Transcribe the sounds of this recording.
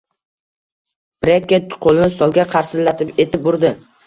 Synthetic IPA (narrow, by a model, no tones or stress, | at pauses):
b̥ɾekʲːet̪qʰolˠɪnɪsɒlˠɡʲaqʰɑɾsɪlːat̪ʰɪpe̞t̪ʰɪp̚bʊɾd̪ɪ